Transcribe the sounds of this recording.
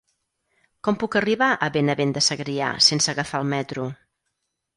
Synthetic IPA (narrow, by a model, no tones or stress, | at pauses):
kɔmpukəriβaʔəβenəβend̪əsəɣɾia̰sensəːɣəfaəlˠmɛt̪ɾu